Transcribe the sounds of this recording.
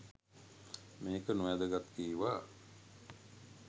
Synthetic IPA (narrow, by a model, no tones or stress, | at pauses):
meːkənuʋæd̪əɡat̪kiːʋaː